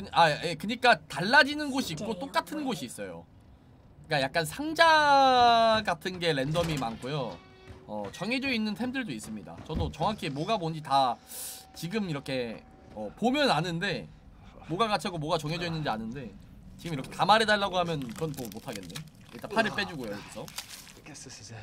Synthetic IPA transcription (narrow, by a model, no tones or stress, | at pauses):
kɯɲajekɯɲik͈ataɭːad͡ʑinɯnɡoɕʰiːk͈̚ot͈ok͈atʰɯnɡoɕʰiːs͈ʌjo̰ | k͈ajak̚k͈ansʰaŋd͡ʑa | ɡatʰɯnɡe̞ɾe̞ndʌmimankʰojo | ʌ̰t͡ɕʌŋɦe̞d͡ʑoinːɯntʰemdɯɭdois͈ɯmɲida̰t͡ɕʌdot͡ɕʌŋɦakʰimwoɡabond͡ʑita | t͡ɕiɡɯmiɾʌkʰe̞ | ʌpomjʌnanɯnde̞ | moɡaɡat͡ɕʰaɡomwoɡat͡ɕʌŋed͡ʑoinːɯnd͡ʑianɯnde̞ | t͡ɕiɡɯmiɾʌkʰe̞tamaɾe̞daɭːaɡohamjʌnkɯɾʌnt͈omotʰaɡenːe | iɭt͈apʰaɾɯɭp͈e̞d͡ʑuɡojoɾokʰisʰʌ